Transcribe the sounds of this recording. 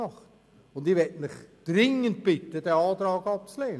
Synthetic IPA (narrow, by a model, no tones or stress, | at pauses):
ɑχt | ʊndiʋɛtmɪχd̥rɪŋənt̚pɪtəd̥ɛɑːtɾɑːɡɑp̚t͡sleːn